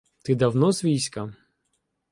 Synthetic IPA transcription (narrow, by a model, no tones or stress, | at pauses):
t̪ɪd̪ɐwnɔzʋʲijsʲkɐ